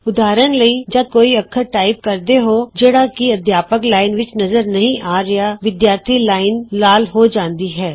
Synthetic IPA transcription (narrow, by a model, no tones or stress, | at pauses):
ʊd̪aːɾəñlɐid͡ʒɐb̪̚koːiɐkʰːəɾʈaːɪp̚kɐɾd̪eɦod͡ʒeːɽakiɐd̪ʱjaːpəklaːɪnʋɪt͡ʃnɐzəɾnɐɦĩʔaːɾɐjaʋɪd̪jaːɾt̪ʰilaːɪnlaːlɦod͡ʒãːnd̪iɦɛː